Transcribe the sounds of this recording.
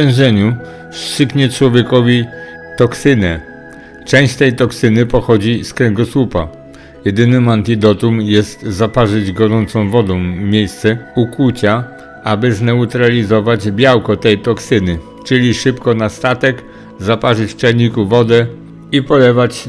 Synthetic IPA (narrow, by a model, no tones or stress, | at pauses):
ɛ̃ʐɛɲu | st͡ʂʂɘkɲɛt͡ʂwɔvʲjɛkɔvʲi | t̪ɔksɘnɛ | t͡ʂɛ̃w̃ɕt͡ɕt̪ɛjt̪ɔksɘnɘpɔxɔd͡ʑiskɾɛŋɡɔswupa̰ | jɛd̪ɘnɘmant̪id̪ɔt̪umjɛst̪zapaʐɘd͡ʑɡɔɾɔnt̪sɔ̃w̃vɔd̪ɔ̃w̃mʲjejst̪sɛukwut͡ɕa | abɘznɛut̪ɾalʲizɔvad͡ʑbʲjawkɔt̪ɛjt̪ɔksɘnɘ | t͡ʂɘlʲiʂɘpkɔnast̪at̪ɛk | zapaʐɘt͡ɕt͡ʂɛlɲikuvɔd̪ɛ | ipɔlɛvat͡ɕ